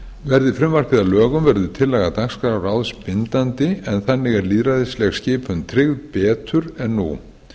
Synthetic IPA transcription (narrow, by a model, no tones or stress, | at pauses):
vɛɾðɪfɾɪmvar̥kɪðalœːɣʏmvɛɾðʏt̪ʰɪlːɛɣat̪akskaɾawɾawðspɪnt̪ant̪ɪɛnθanːɪɣɛɾliːðɾaðɪslɛxscɪːpʰʏnt̪ʰɾɪɣðpɛːt̪ʰʏɾɛnːṵ